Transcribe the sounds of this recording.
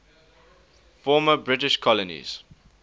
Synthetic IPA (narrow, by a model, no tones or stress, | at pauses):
fɔːməbɹɪtɪʃkʰɔlənḭz̥